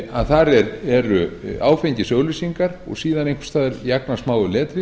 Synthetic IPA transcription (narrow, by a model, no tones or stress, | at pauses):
a̰ðθaɾɛɾɛɾʏa̰ːwfeɲcɪsœːɣlɪsiŋkaɾɔ̰ɣsiːðanejŋkst̪aːðɪɾjaknasmaːwʏlɛːt̪ɾɪ